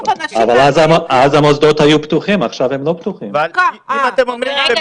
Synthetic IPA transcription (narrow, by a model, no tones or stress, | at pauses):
avalazaazamozd̪ot̪hajupt̪uχimaχʃavhemlo̞pt̪uχimimat̪emomʁime